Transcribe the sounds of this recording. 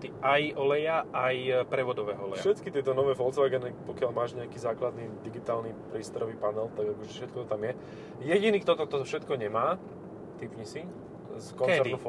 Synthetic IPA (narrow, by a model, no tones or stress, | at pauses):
t̪iʔajʔɔlɛjaajpɾɛʋɔd̪ɔʋɛːɦɔɔlɛ̰jaʃɛt̪kit̪ɪɛt̪ɔnɔʋɛːfɔlt͡sʋaːɡɛnipɔkɪalmaːʒɲɛakiːzaːklad̪nid̪iɡit̪aːlnipɾiːst̪ɔɾɔʋiːpanɛlt̪aɡakɔʒɛfʃɛt̪̚kɔt̪ɔt̪amjɛ | jɛɟiniːkt̪ɔt̪ɔt̪ɔfʃɛt̪kɔɲɛmaː | t̪ipɲisi | skkɔknɛt͡sdɛɾinf